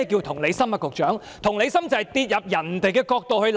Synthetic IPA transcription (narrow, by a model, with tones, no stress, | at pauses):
ki˧wt̪ʰʊ˨˩ŋle˨˧jsɐ˥mkɐː˧kʊ˨k̚t͡ʃœː˨˥ŋ | t̪ʰʊ˨˩ŋle˨˧jsɐ˥mt͡sɐ˨˩jt̪iː˧t̚jɐ˨p̚jɐ˨˩nt̪e˨jkɛː˧kɔː˧k̚t̪o˨whɵ˧ɥ